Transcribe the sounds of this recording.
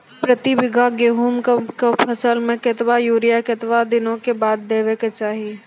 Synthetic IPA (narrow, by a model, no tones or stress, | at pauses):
pɾət̪ibɪɡʱaɡeːɦuːmkkepʰɐsəlmẽkɪt̪bajuːɾijaket̪ʋad̪ɪnõkebaːd̪̚ːeːʋeket͡ʃaːɦi